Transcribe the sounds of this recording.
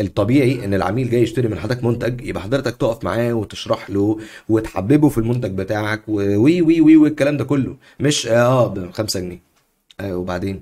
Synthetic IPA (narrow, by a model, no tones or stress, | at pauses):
ʔet̪ˤːɑbiːʕiʔenːelʕa̰miːlɡæːjːeʃt̪eɾimenħad̪ːækmont̪æɡjḛʔæħɑd̪ˤɾet̪ɑk̚t̪oːʔæfma̰ʕaːwet̪e̥ʃɾˤɑħloːwet̪ħa̰bːebofilmont̪æɡ̚bet̪aːʕakwewiːwiːwiːwekːælæːmd̪ækolːo | meʃʔæːbxæmsæɡniː | ʔæwebaʕd̪eːn